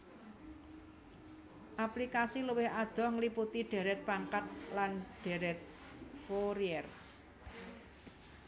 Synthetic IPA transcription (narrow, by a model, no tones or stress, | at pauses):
ʔaplikasiluwɪhad̪̥ɔ̤hŋliput̪iɖ̥e̤ɾɛt̪̚paŋkat̪̚lanɖ̥e̤ɾɛt̪̚ | foɾiɛr